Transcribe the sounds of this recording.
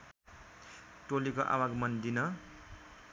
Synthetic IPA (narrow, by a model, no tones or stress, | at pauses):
ʈolikoʔa̰waɡmʌnd̪inʌ